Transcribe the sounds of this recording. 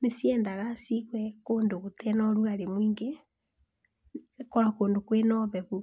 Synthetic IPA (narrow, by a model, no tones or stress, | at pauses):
nesjɛːndaɣasiɣwɛkoːndoɣoteɛnɔɾuɣaɾemwiːŋɡe | kɔɾakoːndokwenɔβɛβu